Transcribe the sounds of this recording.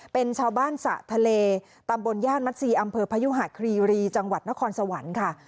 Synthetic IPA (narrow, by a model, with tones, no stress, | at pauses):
pe˧nt͡ɕʰaː˧wbaː˥˩nsa̰˨˩ʔt̪ʰa˧leː˧ | t̪a˧mbo˧njaː˥˩n̚ma˦˥t̪̚siː˧ʔa˧mpʰɤː˧pʰa˧ju˦˥ɦa˨˩kʰɾiː˧ɾiː˧t͡ɕa˧ŋwa˨˩t̪̚na˦˥kʰɔː˧nsa˧wa˩˦nkʰa˥˩